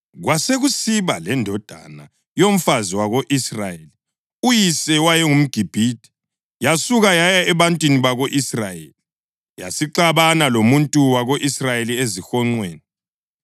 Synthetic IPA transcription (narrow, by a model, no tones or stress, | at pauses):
ɣwaseɣusiβalɛndʱɔd̥ʱa̰na | jom̩faziwaɣoʔisrajeli | ujisɛwajɛŋum̩ɡ̥ʱib̥ʱiːd̥ʱʼi̥ | jasuɣajajaɛβantʼwiniβaɣoʔisrajḛli | ja̰siǃaβanalomuntʼuwaɣoʔisrajeliezixɔŋ͡ǀweːni